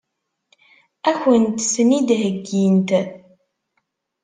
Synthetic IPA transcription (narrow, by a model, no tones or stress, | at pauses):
æçənt̪snid̪ɦəɡːint̪